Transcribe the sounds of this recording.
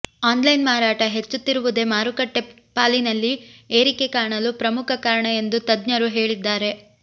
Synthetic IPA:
aːnlɐjnmaːɾaːʈɐɦe̞t͡ʃːut̪ːiɾuʋud̪e̞maːɾukɐʈːe | paːlinɐlːieːɾike̞kaːɐɳɐlupɾɐmukʰɐkaːɾɐɳɐe̞nd̪ut̪ɐd̪ɲɐɾuɦe̞ːɭid̪ːaːɾe̞

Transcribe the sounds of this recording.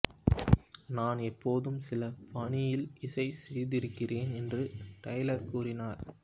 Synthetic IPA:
naːnɛpːoːðɯmsɪlɐpɐɳɪjɪlɪsɐɪsɛjðɪɾɯkːɪreːnɛndrɯʈɐɪlɐɾkuːrɪnaːɾ

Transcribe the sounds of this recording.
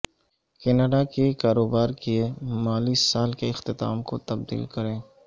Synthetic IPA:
kɛnəɖakekaːɾoːbaːɾkiemaːlisaːlkeɪxt̪ɪt̪a̰ːmko̰t̪ɐb̚d̪ḭːlkɐɾẽː

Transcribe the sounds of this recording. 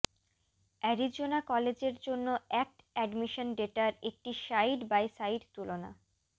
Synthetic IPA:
ɛɾid͡ʑonakɔled͡ʑeɾd͡ʑonːoɛk̚ʈɛɖmiʃonɖeʈaɾek̚ʈiʃajɖbajsajɖt̪ulona̰

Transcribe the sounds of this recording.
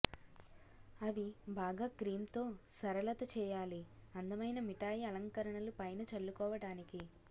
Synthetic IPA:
ɐʋibaːɡaːkɾiːmt̪o̞ːsɐɾɐlɐt̪ɐt͡ʃɛːjaːliɐnd̪ɐmɐjnɐmiʈaːjiɐlɐŋkɐɾɐɳɐlupɐjnɐt͡ʃɐɭːukɔːʋɐɽaːniki

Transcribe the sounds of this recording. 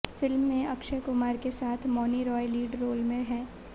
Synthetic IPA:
fɪlmːẽɐkʃəkʊmaːɾkesaːt̪ʰmɔːniɾɔːjliːɖɾoːlmẽɦɛ̃ː

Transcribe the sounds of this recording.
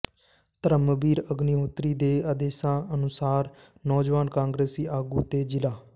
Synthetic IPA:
t̪əɾəməbiːɾəɡniɦoːt̪ɾiːd̪eːaːd̪eːsãːənʊsaːɾ | nɔːd͡ʒʋaːnkãːŋɡɾeːsiːʔaːɡuːt̪eːd͡ʒɪlaː

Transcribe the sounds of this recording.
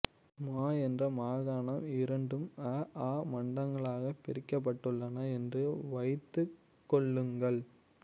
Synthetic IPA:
maːɛndrɐmaːɣaːɳɐmɪɾɐɳɖɯmɐaːmɐɳɖɐŋɡɐɭaːɣɐpːɪɾɪkːɐp̬ːɐʈːɯɭːɐnɐɛndrɯʋɐɪt̪ːɯ | kːɔɭːɯŋɡɐɭ

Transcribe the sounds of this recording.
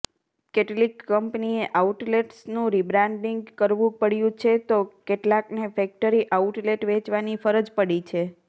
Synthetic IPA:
keʈlikːəmpnieʔauʈleʈsnũɾibɾãɳɖiŋɡkəɾʋũpəɽjũt͡ʃʰet̪okeʈlaknefɛk̚ʈəɾiʔauʈleʈʋet͡ʃʋanifəɾəd͡ʒpəɽit͡ʃʰe

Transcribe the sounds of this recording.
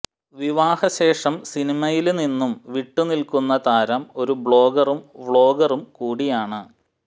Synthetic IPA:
ʋiʋaːhɐɕe̞ːʂɐmsinimɐjilninːumʋiʈːunilkunːɐt̪aːɾɐmo̞ɾubɭo̞ːɡɐrumʋɭo̞ːɡɐrumkuːɽijaːɳɨ

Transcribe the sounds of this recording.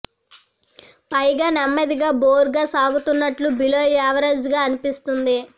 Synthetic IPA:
pɐjɡaːnɐmːɐd̪iɡaːboːɾɡaːsaːɡut̪unːɐʈlubiloːjaːʋɐɾɐd͡ʒɡaːɐnipist̪und̪i

